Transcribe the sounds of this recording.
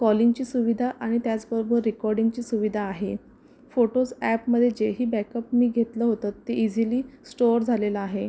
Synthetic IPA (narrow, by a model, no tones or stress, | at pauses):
kɔliŋɡt͡ɕiːsuʋid̪ʱaʔaɽ̃it̪jat͡sbəɾobəɾːikɔɾɖiŋɡt͡ɕiːsuʋid̪ʱaːɦe | foʈod͡zæpməd̪ʱːjed͡ʑeɦiːbɛkəpmiːɡʱet̪ləːɦot̪at̪ːeʔid͡ziliːsʈoɾd͡zʱalelaaɦe